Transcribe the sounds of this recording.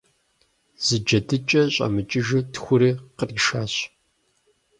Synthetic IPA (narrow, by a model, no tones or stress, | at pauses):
z̥ɨd͡ʒɐdɨt͡ʃʼɐɕʼɐ̰mɨt͡ʃʼɪʒɨtxʷʊɾeːqərʃaːɕ